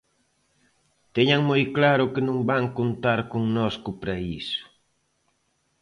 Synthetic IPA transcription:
t̪eɲaŋmojklaɾʊkɪnõŋbaŋkont̪aɾkoŋnɔskʊpɾaisʊ̥

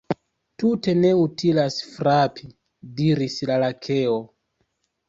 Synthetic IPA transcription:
tute̞ne̞utilasfɾapʰi | diɾislalakʰe̞o̞

